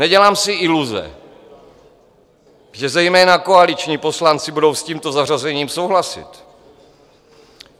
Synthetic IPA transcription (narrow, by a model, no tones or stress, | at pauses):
nɛɟɛlaːmsɪʔɪluzɛ̰ | ʒɛzɛjmɛːnakoalit͡ʃɲiːpo̞slant͡sɪbudo̞wsciːmt̪o̞zar̝azɛɲiːmso̞wɦlasɪ̰t̪